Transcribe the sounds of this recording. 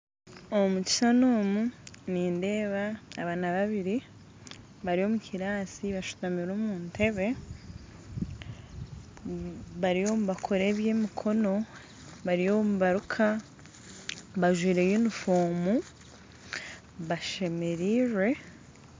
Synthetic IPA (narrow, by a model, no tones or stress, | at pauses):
omuci̥sanoːmuniːnde̞ːβaːβanaβaβiɾi | βaɾio̞muciɾaːsiβaʃu̥tamiɾoːmuːntʰe̞βe̞ | βaɾijo̞muβakʰo̞ɾeːβjeːmikʰo̞no̞ | βaɾijomuβaɾukʰa | βaʒwiːɾe̞jinufoːmu | βaʃe̞me̞ɾiːɾwe̞